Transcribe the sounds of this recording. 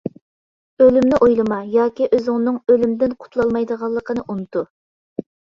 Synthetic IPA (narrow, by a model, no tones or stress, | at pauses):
ølymnɪʔojlˠɨmɑjɑːkʲiʔøzɪŋnɨŋølymd̪ɪnqʰʊ̥t̪ʰlˠɑlˠmɑjd̪əʁɑlˠːəqʰənɨʔunɨt̪u